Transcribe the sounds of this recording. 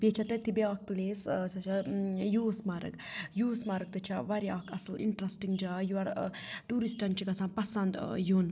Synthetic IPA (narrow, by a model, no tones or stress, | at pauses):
bʲet͡ʃʰɐt̪ɐt̪ʰibeak̚p̪uleːst͡ʃɐt͡ʃʰajuːsmaɾɐ̰kjuːsmaɾɐk̚t̪ut͡ʃʰaʋɐɾia̰kʰɐsɐlḭɳʈɾɐsʈiŋɡd͡ʒaːjuaɾ | ʈuːɾisʈɐnt͡ʃʰikɐsãnpɐsɐnd̪jun